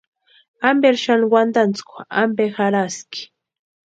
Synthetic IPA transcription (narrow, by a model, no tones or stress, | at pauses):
ambeɾʃanwand̪ant͡skʷa̰mbexaɾaski̥